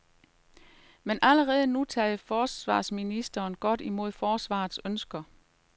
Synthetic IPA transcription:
menʔæləʁɛːð̞ˠnut͡sʰɛ̰ðfɒːsʋɑ̰̈ːsminisd̥ɐːnɡ̥ɒ̽d̥imo̝ð̞̰ˠfɒːsʋɑ̰̈ːð̩ˠsønsɡ̥ɐ

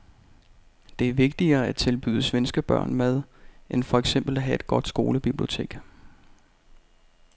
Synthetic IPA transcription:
d̥e̝æɐʋe̝ɡ̥̚d̥iɐːæt͡sʰe̝lb̥y̰ːð̞ˠəsʋensɡ̥əb̥ɶɐ̰nmæð̞ˠʔenfɒ̽eɡ̥sem̰b̥l̩æɦæe̝d̥̚ɡ̥ɒ̽d̥sɡ̥o̝ːləb̥ib̥lio̝t͡sʰe̝̰ːɡ̥

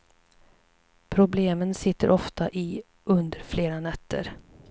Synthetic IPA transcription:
pʰɾʊbleːmənsɪt̪ːə̰ɾʔɔft̪aʔɪ | ɵnd̪əɾfleːɾanɛt̪ʰːə̰ɾ

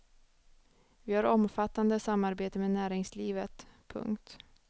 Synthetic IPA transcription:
vɪhaɾɔmfat̪ːand̪əsamːaɾbeːt̪əmenæːɾɪŋsliːvət̪pʰɵ̰ŋkt̪

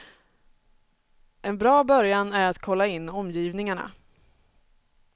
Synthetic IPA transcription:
ʔɛnbɾɑːbœɾjanæɾat̪kʰɔlːaɪnːɔmːjiːvnɪŋaɳa̰

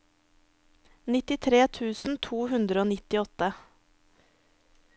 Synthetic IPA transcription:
nɪt̪ɪt̪ʰɾeːt̪ʰʉːsn̩t̪ʰuːhʉnd̪ɾəoːnɪt̪ɪɔt̪ə

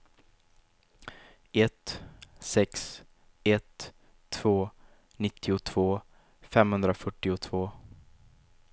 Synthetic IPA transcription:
ɛt̪sɛks | ɛt̪ʰː | v̥oː | nɪt̪ʰːɪʊt̪ʰv̥oː | fɛmhɵnd̪ɾafœʈːɪʊt̪ʰv̥oː

